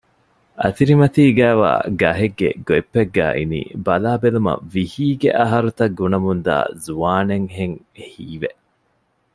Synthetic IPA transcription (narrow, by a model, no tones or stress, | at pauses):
ʔɐt̪iɾimɐt̪iːɡæːʋa̰ːɡɐɦeɡːḛɡoepːeɡːæ̰ːʔḭnḭːbɐlaːbelumɐ̰ʋihiːɡḛʔɐɦɐɾut̪ɐɡːunɐmund̪a̰ːzuaːneŋɦeŋ | hiːʋeʔ